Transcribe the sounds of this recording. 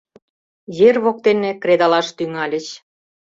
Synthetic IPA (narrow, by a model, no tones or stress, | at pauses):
jerβok̚t̪enĕkred̪ɑlɑʃt̪yŋɑlʲə̆t͡ɕ